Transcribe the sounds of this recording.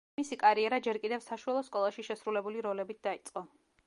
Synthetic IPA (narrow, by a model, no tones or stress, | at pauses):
isikʼaɾiɛɾad͡ʒɛɾkʼid̪ɛvsaʃualˠɔskʼɔlˠaʃiʃɛsɾulɛbuliɾɔlɛbit̪̚d̪ait̪sʼqʼɔ